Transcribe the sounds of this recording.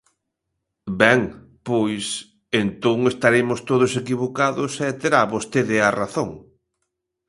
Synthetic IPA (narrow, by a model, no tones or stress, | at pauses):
bɛŋ | pojs | ent̪oŋest̪aɾemʊst̪oð̞ʊsekiβokaðʊsɛt̪eɾaβost̪eðɪaraθoŋ